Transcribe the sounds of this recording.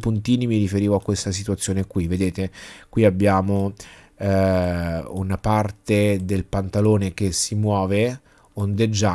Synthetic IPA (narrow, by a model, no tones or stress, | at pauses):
punt̪iːnimiɾifeɾiːvoakːwest̪asit̪uat̪sːjoːnekwivːed̪eːt̪ekwiabːjaːmo | unapart̪ed̪elpant̪aloːnek̟esːimwɔːve | ond̪ed͡ʒːa